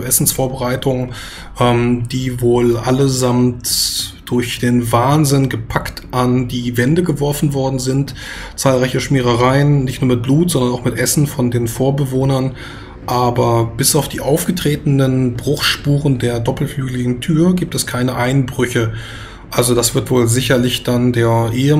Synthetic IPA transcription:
ʔɛsn̩sfoːɐbəʁaɪtʰʊŋ | ʔɛmd̥iːvoːlʔaləzamtd̥ʊɐçd̥eːnvaːnzɪnɡəpʰaktʔandiːvɛndəɡəvɔɐfn̩vɔɐdn̩zɪnt | t͡saːlʁaɪçəʃmiːʁ̞əʁaɪənnɪçtnuːɐmɪt̚b̥luːtz̥ɔndɐnaʊxmɪtʔɛsn̩fɔndeːnfoːɐbəvoːnɐn | ʔaːbɐb̥ɪsaʊfd̥iːʔaʊfɡ̥ətʁ̥eːtn̩ənbʁʊχʃpuːʁəndeːɐdɔpl̩flyːɡlɪɡŋ̩tʰyːɐɡiːp̚tɛskʰaɪnəʔaɪnbʁʏçə | ʔalzodasv̥ɪɐtv̥oːlzɪçɐlɪçd̥andeːɐʔeːə

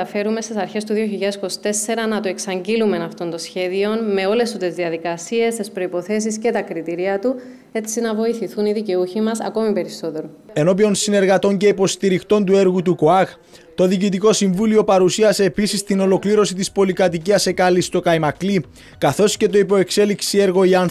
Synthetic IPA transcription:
ɐfe̞ɾume̞st̪isɐɾçe̞st̪uðio̞çiʎːɐesko̞si̥t̪e̞se̞ɾɐnɐt̪oe̞ksɐɲɟilume̞nɐft̪o̞ndt̪o̞sçe̞ðio̞nme̞o̞le̞st̪ut̪e̞zðiɐðikɐsie̞st̪espɾoipo̞θe̞s̬isce̞t̪ɐkɾit̪iɾiɐt̪u | e̞sinɐvo̞iθiθuniðice̞uçimɐsɐ̰ko̞mipe̞ɾiso̞t̪e̞ɾoe̞no̞pio̞nsine̞ɾɣɐt̪o̞ɲce̞ipo̞st̪iɾixt̪o̞nt̪ue̞ɾɣut̪ukoɐɣ | t̪o̞ðicit̪iko̞siɱvulio̞pɐɾusiɐse̞ːpisist̪ino̞lo̞kliɾo̞sit̪ispo̞likɐt̪iciɐse̞kɐlist̪o̞kɐimɐkli | kɐθo̞sce̞t̪o̞ipo̞e̞kse̞liksie̞ɾɣo̞iɐn

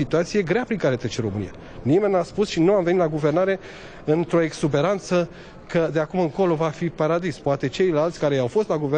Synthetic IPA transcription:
it̪uat̪sije̞ɡɾeapɾiŋkaɾet̪ɾet͡ʃeɾo̞mɨ̰nḭja̰ | nime̞nʲːaspusʃinuamve̞nit̪laɡuve̞rnaɾe̞ | ɨnt̪ɾo̞eɡsube̞ɾant̪sə | kəd̪e̞akumɨŋko̞lo̞vafipaɾad̪ispoat̪e̞t͡ʃejlalt̪sʲkaɾeawfo̞st̪laɡuve

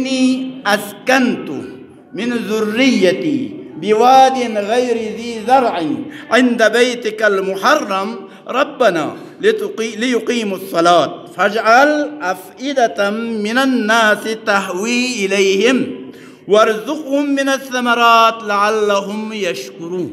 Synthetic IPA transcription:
nːiːʔaskant̪ʊ̰ | mɪnzʊrːɪjːat̪iːbɪwaːd̪ɪnɣajɾɪziːzɑɾˤʕɪʕɪnd̪abajt̪ɪkalmʊħɑrˤːɑm | ɾˤɑbːana̰ː | lɪjʊqiːmɑsˤːɑlaːt̪̚fad͡ʒʕalʔafʔɪd̪at̪mɪnanːaːst̪aɦwiːʔɪlajhɪm | wɑɾˤzʊqhʊmːɪnaθːamɑɾˤɑːt̪laʕalːaɦʊmjaʃkʊɾuːn

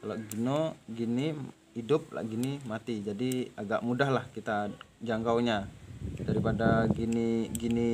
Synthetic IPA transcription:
kalaɡinoɡini | idʊp̚la̰ʔɡinimat̪id͡ʒadiaɡa̰ʔmudaɦlahkit̪ad͡ʒaŋkawɲadaɾipadaɡiniɡini

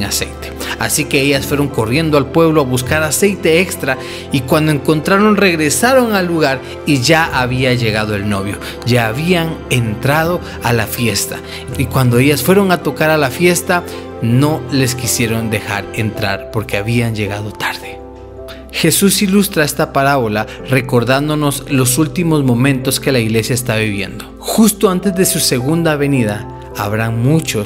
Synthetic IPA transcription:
ŋasḛjt̪e̥asike̞eʝasfwe̞ɾo̞ŋko̞rje̞nd̪oalpwe̞βloaβuskaɾase̞jt̪e̞ekst̪ɾa | ikwand̪oeŋko̞nt̪ɾaɾo̞nre̞ɣɾe̞saɾo̞ŋalːuɣaɾ | iʝaaβiaʝe̞ɣað̞o̞e̞lno̞βjo̞̰ | ʝaːβiaŋe̞nt̪ɾað̞o̞ | alafje̞st̪a̰ | ikwand̪o̞e̞ʝasfwe̞ɾo̞ŋat̪o̞kaɾalafje̞st̪a | no̞le̞skisje̞ɾo̞nd̪e̞xa̰ɾe̞nt̪ɾa̰ɾpo̞ɾke̞aβiand͡ʒe̞ɣað̞o̞t̪ʰaɾðe | xe̞susilust̪ɾae̞st̪apaɾaβo̞la | re̞ko̞ɾðand̪o̞no̞slo̞sult̪imo̞zmõ̞mẽ̞nt̪o̞ske̞laiɣle̞sjaest̪aβiβje̞̰nd̪o̞ | xust̪o̞ant̪e̞zðe̞suse̞ɣund̪aːβe̞niðaː | βɾaŋmut͡ʃo

